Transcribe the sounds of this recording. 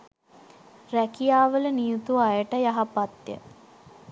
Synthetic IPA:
rækijaːʋələnijut̪uajəʈəjaɦapat̪jə̰

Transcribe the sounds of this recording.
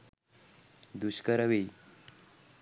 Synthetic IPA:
d̪uɕkəɾəʋe

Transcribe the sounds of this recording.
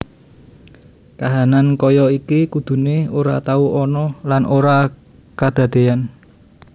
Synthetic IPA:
kaɦanankɔjɔikikud̪̥ṳneoɾa̰t̪auɔnɔlanʔoɾa | kad̪̥ä̤d̪̥e̤an

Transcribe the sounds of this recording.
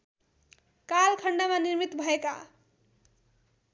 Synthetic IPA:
kalkʰʌɳɖamaniɾmit̪bʱʌeka̰

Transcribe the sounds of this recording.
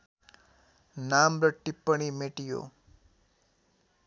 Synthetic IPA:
namɾəʈːipːəɽ̃imeʈijo̰

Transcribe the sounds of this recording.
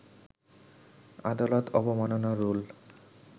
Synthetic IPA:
a̰d̪alɔt̪ʰɔbɔmanɔnaɾul

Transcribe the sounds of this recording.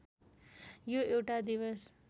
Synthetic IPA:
joewʈad̪iwʌs

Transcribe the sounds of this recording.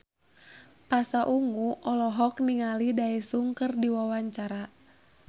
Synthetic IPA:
pasaʔuŋuʔɔlɔɦɔkniŋalidaɛsuŋkɨrdiwawaɲt͡ʃaɾa

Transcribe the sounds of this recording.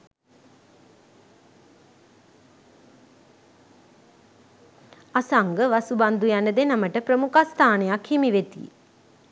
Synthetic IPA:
asaŋɡəʋasuband̪ujanəd̪enaməʈəpɾəmukast̪ʰaːnejakhimiʋet̪ḭ

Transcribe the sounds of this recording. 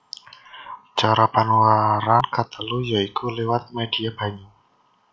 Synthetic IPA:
t͡ʃaɾapanuwaɾankət̪əlujaikʰulewat̪̚med̥iab̥a̤ɲa

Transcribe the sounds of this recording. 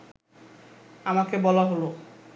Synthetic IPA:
amakebɔlaɦolo

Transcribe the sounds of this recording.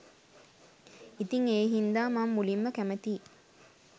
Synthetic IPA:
it̪iŋeːɦind̪aːmamːulimːəkæmet̪iː

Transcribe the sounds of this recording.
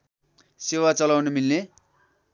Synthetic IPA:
sewat͡sʌlawnemilne

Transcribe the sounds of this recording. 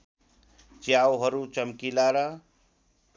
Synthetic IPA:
t͡sjawɦʌɾut͡sʌmkilaɾʌ

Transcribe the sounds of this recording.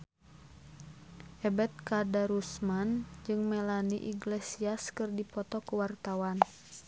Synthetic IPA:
ʔɛbɛt̪̚kadaɾusmand͡ʒɨŋmɛlanḭʔḭɡlesiaskɨrdipɔt̪ɔkuwart̪awan

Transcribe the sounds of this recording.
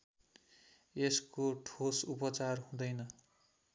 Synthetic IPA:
eskoʈʰosupʌt͡sarɦũd̪ʌjnʌ

